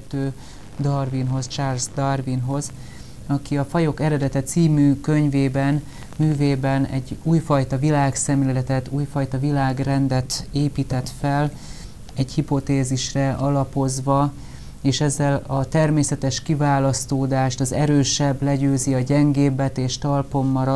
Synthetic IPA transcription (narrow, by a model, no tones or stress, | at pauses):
t̪ːøː | d̪ɒrvinɦo̞st͡ʃaːrzd̪ɒrvinɦo̞z | ɒkiɒfɒjo̞kɛɾɛd̪ɛt̪ɛt̪siːmyːkø̞ɲveːbɛn | myːveːbɛnɛɟuːjfɒjt̪ɒvilaːksɛmlelɛt̪ɛt̪uːjfɒjt̪ɒvilaːɡrɛnd̪ɛt̪eːpiːt̪ɛt̪fɛl | ɛɟhipo̞t̪eːziʃrɛʔɒlɒpo̞zʋɒ | eːʃɛzːɛlɒt̪ɛrmeːsɛt̪ɛʃkivaːlɒst̪oːd̪aːʃt̪ɒzɛɾøːʃɛblɛɟøːziɒɟɛŋɡeːbɛt̪eːʃt̪ɒlpo̞mːɒɾɒ